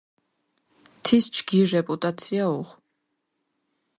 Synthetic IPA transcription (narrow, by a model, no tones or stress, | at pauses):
t̪ʰist͡ʃɡiɾːɛpʼut̪ʼat̪sʰiauʁ